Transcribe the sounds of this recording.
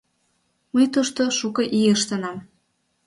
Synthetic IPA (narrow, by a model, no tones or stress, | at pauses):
məjt̪uʃt̪oʃukɤ̆ʔiəʃt̪ənɑm